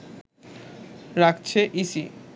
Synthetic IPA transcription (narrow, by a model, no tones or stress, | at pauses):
ɾakt͡ɕʰeʔisi